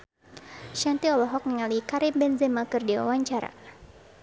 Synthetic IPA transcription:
ʃant̪iɔlɔɦɔk̚niŋalikaɾɪmbɛnzɛmakərdiwa̰waɲt͡ʃaɾa̰

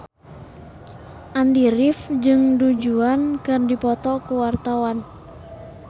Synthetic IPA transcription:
ʔandiɾɪfd͡ʒɨŋdud͡ʒuankɨrdipɔt̪ɔkuwart̪awan

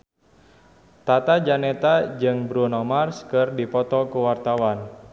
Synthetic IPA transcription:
t̪at̪ad͡ʒanɛt̪ad͡ʒɨŋbɾunɔmarskɨrdipɔt̪ɔkuwart̪awan

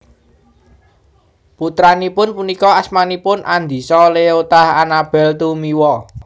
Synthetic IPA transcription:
put̪ɾanipʊnpunikɔasmanipʊnʔand̪i̤sɔleot̪ahanab̥ɛ̤lt̪umiwɔ

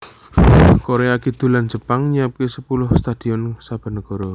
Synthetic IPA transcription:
koɾeakid̪̥ṳland͡ʒə̤paŋɲiap̚kesəpulʊhst̪ad̪̥i̤ɔnsab̥a̤nəɡ̥ɔ̤ɾɔ

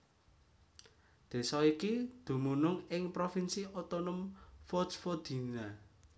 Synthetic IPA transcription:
d̪̥e̤sɔikid̪̥ṳmunʊŋɪŋpɾofinsiɔt̪onɔmfɔsfɔd̪̥i̤na

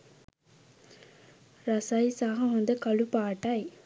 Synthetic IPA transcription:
ɾɐsɐjsaːɦɐ̃ʋɐnd̪ɐkɐɭupaːʈːaj

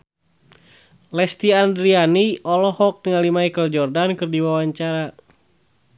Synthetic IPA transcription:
lɛst̪iandɾianiʔɔlɔhɔk̚t̪əŋalimaikəld͡ʒɔrdankɨrdiwawaɲt͡ʃaɾa

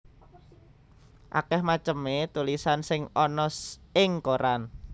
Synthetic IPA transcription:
ʔa̰kɛhmat͡ʃəmet̪ulisansɪŋɔnɔsɪŋkoɾan

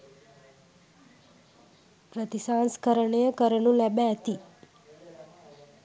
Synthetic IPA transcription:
pɾət̪isãnskəɾəɳejəkəɾəɳũlɛbaət̪i

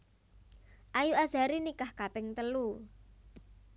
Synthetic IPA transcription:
ʔajuʔaza̤ɾinikahkapɪŋt̪əlu

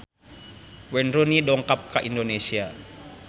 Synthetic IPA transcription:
wɛnrunidɔŋkap̚kaʔindonesia

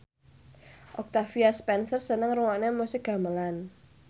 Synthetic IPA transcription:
ʔɔk̚t̪afiaspɛnsərsənəŋruŋɔnemusɪɡ̥a̤məlan

